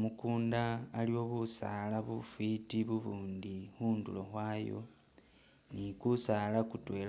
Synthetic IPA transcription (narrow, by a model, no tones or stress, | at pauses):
mukuːndaːliwo̞βusa̰laβufitiβuβuːndixuːndṵloxwaːjo̞̰ | nikusalakutwe̞ːl